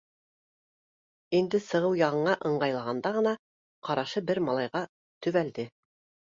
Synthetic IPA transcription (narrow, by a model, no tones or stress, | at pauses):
ind̪ɘsɤ̆ʁɤwjɑʁɤ̆ɴɑʔɤ̆ɴɢɑjlˠɑʁɑnd̪ɑʁɤ̆nɑ | qɑɾɑʃɤbɘɾmɑlˠɑjʁɑ | t̪ɵ̆βæld̪ɘ